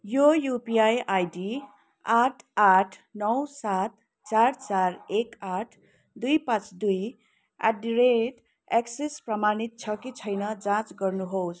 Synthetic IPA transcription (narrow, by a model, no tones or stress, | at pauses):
jojupiajajɖi | aʈʰaʈʰnʌwsat̪ | t͡sart͡sarekaʈʰ | d̪ujpãt͡sd̪uj | a̰ɖiɾeʈ | eksesprʌmanit̪̚t͡sʰʌkit͡sʰʌjnʌd͡zãt͡sɡʌrnuɦows